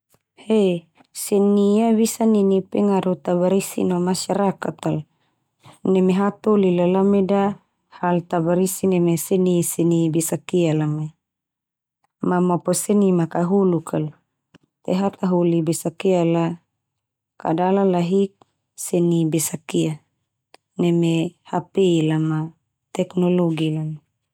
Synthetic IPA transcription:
he | seniaβisaninipeŋaɾut̪abaɾisḭnamasaɾakat̪al | nemeɦat̪olilalameda | halt̪abaɾisinemesenisenibesakialame | mamaposenimakaɦulukʰal | t̪eɦat̪aɦulibesakiala | ka̰dalalaɦik̚ | senibesakia | nemehapelama | t̪ɛknoloɡilame

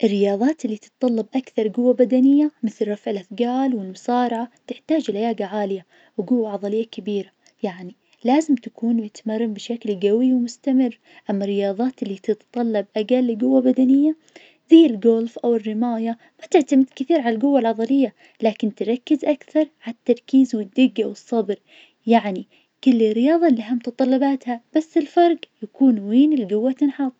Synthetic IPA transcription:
ʔɪrːɪjɑːðˤɑːt̪ʔɪlːit̪ɨt̪t̪ˤɑlːɑbʔakθɑɾˤɡʊwːabad̪anɪjːamɪθlrˤɑfʕɪlʔaθɡaːlwɪlmʊsɑːɾˤɑʕat̪ɪħt̪aːd͡ʒɪlhajaːɡaʕaːlɪja | wɡʊwːaʕɑðˤɑlɪjːakabiːɾa | jaʕni | laːzɪmt̪akuːnwɪt̪mɑrˤːɪmbɪʃaklɡawiwmʊst̪amɪrː | ʔamːarːɪjɑːðˤɑːt̪ʔɪlːit̪ɪt̪t̪ˤɑlːɑbʔaɡalːɡʊwːabad̪anɪjːa | ðajːɪlɡoːlfʔawɪrːɪmaːja | mat̪ɪʕt̪amɪd̪kɪθiːɾʕalalɡʊwːalʕɑðˤɑlɪjːa | laːkɪnt̪ɪɾˤɑkːɪzʔakθɑɾˤʕaat̪ːɑɾˤkiːzwɪd̪ːɪɡːawɨsˤːɑbɾ | jaʕni | kʊlːɪrːɪjɑːðˤɑlːiʔɦamʊt̪ɑt̪ˤɑlːɑbaːt̪hab̥asːɪlfɑɾˤɡjakuːnweːnɪlɡʊwːat̪ɪnħɑt̪ˤ

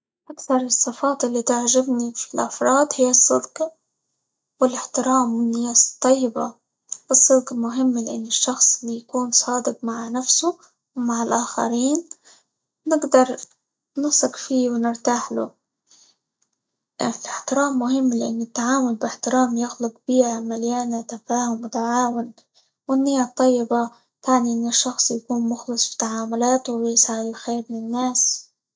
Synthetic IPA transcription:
ʔakθɑɾˤɨsˤːɨfɑːt̪ʔɪlːit̪aʕʒɪbnifilʔɑfɾˤɑːd̪hɪjːɨsˤːɨ̰d̪q | wɪlɪħt̪ɪɾaːmːɪnːɪjast̪ˤːɑjːɪba̰ | wɨsˤːɨd̪qmʊɦɪmːlɪʔɪnːɪʃːɑxsˤlijakuːnsˤɑːd̪ɪq̚maʕnafsu | wmaʕɪlʔaːxa̰ɾiːnː | ɪɡd̪ɑɾˤ | nɨsˤɪqfiːwnɪɾt̪aːħlʊ̰ | fiħt̪ɪɾaːmːʊɦɪmːlɪʔa̰nːɪt̪ːaʕaːmʊlbɪħt̪ɪɾaːmjɪxlʊq̚b̥iːʕamaljaːnat̪afaːhʊmwɪt̪aʕaːwʊn | wɪnːɪjːat̪ˤːɑjːɪba | t̪aʕniʔɪnːɪʃːɑxsˤjakuːnmʊxlɨsˤbi̥t̪aʕaːmʊlaːt̪ʊjɪsaʕɪd̪ɪlxeːɾmɪnɪnːaːs

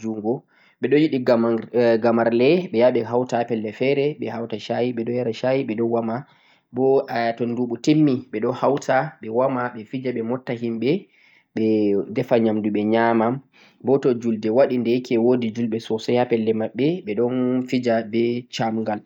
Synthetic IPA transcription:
d͡ʒuŋɡɔ | ɓɛɗɔjiɗiɡɡamaɾlɛɓɛjaɓɛɦawtapɛlːɛfɛɾɛɓɛhawtaʃajiɓɛɗɔjaɾaʃajiɓɛɗɔnwama | bɔajatɔnduɓutemːiɓɛɗɔhawtʰaɓɛwamaɓɛfid͡ʒaɓɛmɔtːaɦimɓɛ | ɓɛdɛfaɲamduɓɛɲamam | bɔtɔd͡ʒuldɛwaɗindɛkʰɛwodid͡ʒulɓɛsɔsahapɛlːɛmaɓːɛɓɛɗɔnfid͡ʒabɛt͡ʃamŋɡal

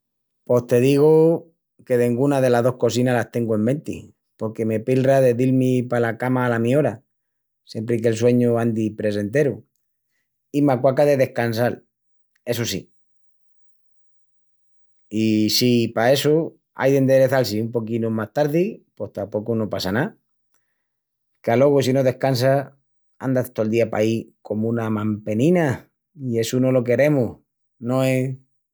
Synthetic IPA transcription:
po̞st̪e̞ð̞iɣ̞o | ke̞ðeŋɡunaðe̞laɦðo̞hko̞sinalast̪e̞ŋɡoe̞mbe̞nt̪ḭ | po̞ɾke̞me̞pilraðe̞ðilmipalakamaːlamĩo̞ɾa | sje̞mpɾik̬e̞ls̬we̞ɲoand̪ipɾe̞se̞nt̪e̞ɾu | imakwakaðe̞ðe̞hkans̬al | e̞s̬osḭ | isipae̞su | a̰jðe̞nd̪eɾeθalsiumpo̞kinumaht̪aɾðipo̞ht̪apo̞kuno̞pasana | kalo̞ɣ̞usinoðe̞hkans̬a | a̰nd̪at̪old̪iapa̰iko̞mũnamãmpe̞nĩna | ie̞suno̞lo̞k̬e̞ɾe̞muh | nõ̞e̞

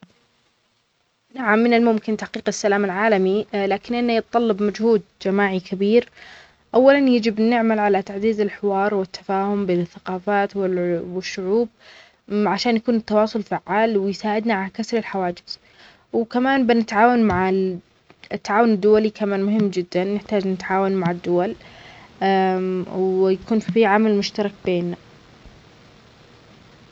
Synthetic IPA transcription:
naʕamːɪnɪlmʊmkɪnt̪aħqiːqɪsːalaːmɪlʕaːlamilaːkɪnʔɪnːajɨt̪t̪ˤːɑlːɑbmad͡ʒhuːd̪̚d͡ʒamaːʕikʰabiːɾ | ʔawːalanjɪd͡ʒɪbnɪʕmalʕalat̪aʕziːzɪlħɪwɑːɾˤwɪt̪ʰːḁfaːhʊmbeːnɪθːaqɑːfaːt̪wɪwɪʃːʊʕuːb̚ | ʕaʃaːnjakuːnɪt̪ːɑwɑːsˤʊlfaʕːaːlwɪjsaːʕɪd̪naʕalakasɾɪlħawaːd͡ʒɪz̥ | wkamaːnbɪnɪt̪ʕaːwanmaʕɪ | ɪt̪ːaʕaːwʊnɪd̪ːʊwalikamaːnmʊɦɪmːd͡ʒɪd̪ːanːɪħt̪aːd͡ʒnɪt̪ʕaːwanmaʕɪd̪ːʊwal | wjakuːnfiʕamalmʊʃt̪ɑɾˤɑk̚beːnːa

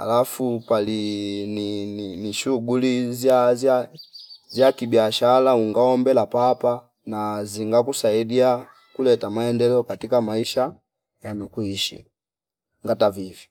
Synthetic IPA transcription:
a̰lafupalinininiʃuɡulizaza | zjakibiaʃalauŋɡaɔmbɛlapapa | naziŋɡakusaidia | kulɛtamaɛndɛlɛɔkatikamaiʃa | janukuiʃḭ | ŋɡatavivi

